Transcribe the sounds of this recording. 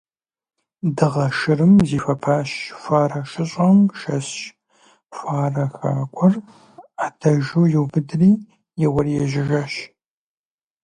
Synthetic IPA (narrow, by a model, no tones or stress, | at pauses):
dɨʁɐʃɨrɨmziːfɐpʰaːɕfʷaːrɐʃɨɕʼɐmʃɐsɕ | fʷaːrɐxa̰ːkʷʼɔr | aːdʰɐʒuwjɪwbɨdriː | jɛwɐrjɛʒɪʒɐʃ